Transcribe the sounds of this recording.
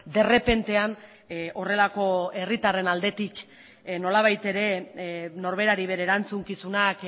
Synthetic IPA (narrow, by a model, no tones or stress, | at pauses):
d̪e̞re̞pe̞nt̪e̞an | o̞re̞lako̞e̞rit̪are̞nald̪e̞t̪ik | no̞laβ̞ajt̪e̞ɾe̞no̞ɾβ̞e̞ɾaɾiβ̞e̞ɾeːɾant͡suŋkisunak